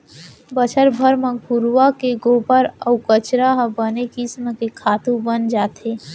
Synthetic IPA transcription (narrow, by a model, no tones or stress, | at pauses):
bət͡ʃəɾbʱəɾmẽɡʱuɾwakeɡoːbəɾəukət͡ʃɾaɦbənekɪsməkekʰaːt̪ũbənd͡ʒaːt̪eː